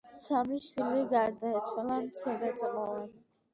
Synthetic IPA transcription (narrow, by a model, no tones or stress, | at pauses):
samiʃwiliɡaɾd̪aɛt̪sʰwalamt̪sʰɛd̪at̪sʼqʼɔvan